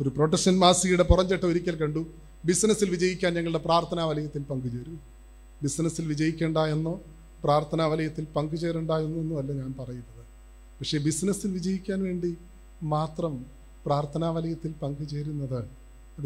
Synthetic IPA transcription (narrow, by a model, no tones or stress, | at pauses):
o̞ɾupro̞ːʈːɐkʂɐnmaːsijuɽe̞purɐɲd͡ʑeʈːɐoɾikʲːɐlkɐɳɖu | bisnɐsilʋid͡ʑɐjikʲːaːnɲɐŋːɐɭɽe̞praːrt̪ʰɐnaːʋɐlɐjɐt̪ːilpɐŋɡɨt͡ɕe̞ːɾu | bisnɐsilʋid͡ʑɐjikʲːe̞ːɳɖaːjenːoː | praːrt̪ʰɐnaːʋɐlɐjɐt̪ːilpɐŋɡɨt͡ɕe̞ːreɳɖaːjenːuenːuɐlːoɲaːnpɐrɐjunːɐðɨ | pɐkʂe̞ːbisnɐsilʋid͡ʑɐjikʲːaːnʋe̞ːɳɖi | maːt̪rɐm | praːrt̪ʰɐnaːʋɐlɐjɐt̪ːilpɐŋɡɨt͡ɕe̞ːɾunːɐðɨ | ɐðɨ